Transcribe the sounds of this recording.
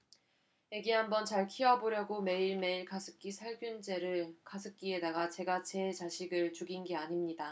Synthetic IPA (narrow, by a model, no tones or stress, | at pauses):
jeɡiɦambʌnt͡ɕaɭkʰiʌboɾjʌɡome̞iɭme̞iɭkʰasʰɯ̥k͈isʰaɭɡjund͡ʑe̞ɾɯɭkʰasʰɯk͈ie̞daɡat͡ɕe̞ɡat͡ɕe̞t͡ɕaɕʰiɡɯɭt͡ɕuɡinɡeaɲimɲida